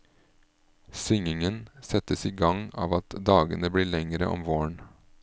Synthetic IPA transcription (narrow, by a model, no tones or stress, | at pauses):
sʏŋɪŋənsɛt̪əsiːɡɑŋɑ̰ːʋɑt̪d̪ɑːɡə̰nəbɽiːɭɛŋəɾəʔɔ̰mʋoːɳ